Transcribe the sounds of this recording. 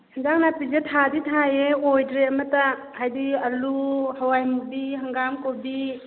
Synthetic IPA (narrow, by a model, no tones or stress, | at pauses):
nzaŋnapizetʰaditʰajeojdɾeɐmɐta | hajdiɐluhawajmubiɦaŋɡamkobi